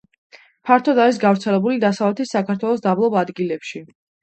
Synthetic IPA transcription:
pʰaɾt̪ʰɔd̪aɾis̬ɡavɾt̪sʰɛlɛbulid̪asavlɛt̪ʰisakʰaɾt̪ʰwɛlˠɔs̬d̪ablˠɔbad̪ɡilɛpʃi

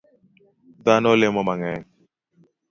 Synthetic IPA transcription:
d̪anolemomaŋɛ

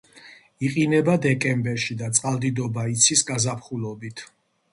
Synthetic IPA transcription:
iqʼinɛbad̪ɛkʼɛmbɛɾʃid̪at̪sʼqʼalˠd̪id̪ɔbait̪sʰisɡazapχulɔbit̪ʰ

